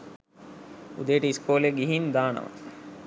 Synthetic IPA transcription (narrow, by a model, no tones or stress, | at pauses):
ud̪ejːʈəiskʰoːleɡiɦind̪aːnɐ̰ʋa̰